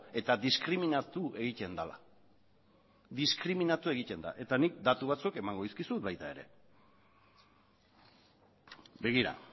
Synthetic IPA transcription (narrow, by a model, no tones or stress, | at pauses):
e̞t̪aðiskɾiminat̪ue̞ɣic̪e̞nd̪ala̰ | ðiskɾiminat̪ue̞ɣic̪e̞nd̪a̰ʔe̞t̪anik̚d̪at̪uβat͡sueke̞maŋɡoiskisut̪̚βajt̪ae̞ɾe̞̰ | be̞ɣiɾa̰